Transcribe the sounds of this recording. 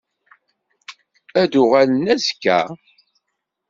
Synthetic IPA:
æd̪ʊʁælənæzkːæ̰

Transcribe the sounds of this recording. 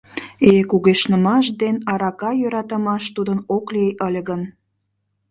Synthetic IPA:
ekuɣeʃnəmɑʃd̪enɑɾɑkɑjøɾɑt̪ə̆mɑʃt̪ud̪ənoklejʔəlʲɣən

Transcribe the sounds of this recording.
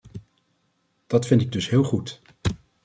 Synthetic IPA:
d̥ɑtfɪntɪɡ̚dɵsɦɪːlˠχut

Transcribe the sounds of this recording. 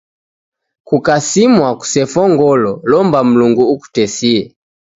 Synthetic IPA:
kukasimwaku̥sɛfɔŋɡɔlɔlɔmbam̩luŋɡuːku̥tɛsiɛ

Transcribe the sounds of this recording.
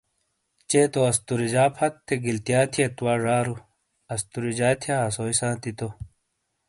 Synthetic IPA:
t͡ɕeːt̪oɐst̪uɾid͡ʑaːpʰɐt̪ʰːeɡilt̪ijaːt̪ʰiet̪uwaːʐaːɾu | ɐst̪uɾid͡ʑaːt̪ʰjaɦɐsoːisãːt̪it̪o

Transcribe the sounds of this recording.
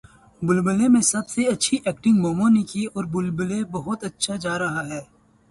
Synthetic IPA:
bʊlbəlemẽsɐbseɐtːʃʰiʔɛːk̚ʈɪ̃ŋɡmɔːmonikiɔːɾbʊlbəlebɐɦʊt̪ɐtːʃʰad͡ʒaːɾɐɦaɦɛː

